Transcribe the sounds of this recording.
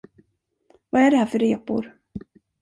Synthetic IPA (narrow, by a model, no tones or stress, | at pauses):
vaæɖɛhæːɾfœɾeːpʊ̰ɾ